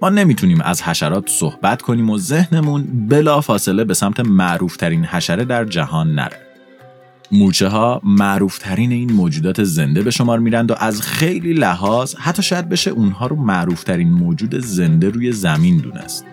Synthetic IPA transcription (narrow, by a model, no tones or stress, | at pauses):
mɒːne̞miːt̪ʰuniːmæ̰zhæʃæɾɒːt̪ʰso̞hbæt̪kʰo̞niːmo̞ze̞hne̞munbe̞lɒːfɒːse̞le̞be̞sæmt̪ʰe̞mæʔɾuːft̪ʰæɾinhæʃæɾed̪æɾd͡ʒæhɒːnːæ̰ɾe | muːt͡ʃʰeɦɒːmæʔɾuːft̪ʰæɾiːne̞iːnmoːd͡ʒuːd̪ɒːt̪ʰe̞ze̞nd̪e̞be̞ʃo̞mɒːɾmiːɾænd̪oʔæzxe̞jliːlæɦɒːz̥hæt̪ʰːɒːʃɒːjæd̪̚be̞ʃeʔuːnɦɒːɾomæʔɾuːft̪ʰæɾiːnmoːd͡ʒuːd̪e̞ze̞nd̪e̞ɾuːje̞zæmiːnd̪ṵːnʔḛst̪